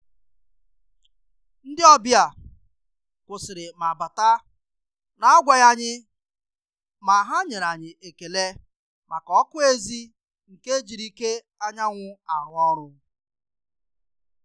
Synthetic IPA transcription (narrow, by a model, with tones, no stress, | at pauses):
n̩˦dɪ˦ɔ˦bja˨ | kʷʊ˨sɪ˨ɾɪ˨ma˨ba˨ta˦ | na˨a˦ɡʷa˨ja˦ɲɪ˦ | ma˨ɦa˦ɲe˨ɾa˨ɲɪ˨ʔe˨ke˨le˦ | ma˨ka˨ɔ˦kʊ˦e˦zi˦ | ŋ̩˨ke˦d͡ʒi˨ɾi˦ke˦ | a˦ɲa˦ŋʷʊ˦a˨ɦʊ˦ɔ˦ɾʊ˦